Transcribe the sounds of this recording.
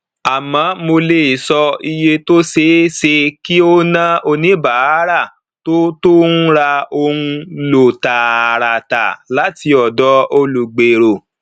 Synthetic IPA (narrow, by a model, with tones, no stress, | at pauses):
a˨mã˨˦mo˧le˧˨i˨sɔ˧i˧je˧to˦se˧se˧ki˦o˦nã˦o˧nĩ˦ba˨˦ɾa˦˨ | to˦to˦n̩˦ɾa˧o˧ŋũ˧lo˨ta˨ɾa˨ta̰˨la˨˦ti˧ɔ˨dɔ˨˦o˧lu˨ɡ͡be˨ɾo˨